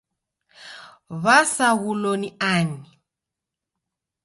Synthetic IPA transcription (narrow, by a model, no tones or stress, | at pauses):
βasaɣulɔniani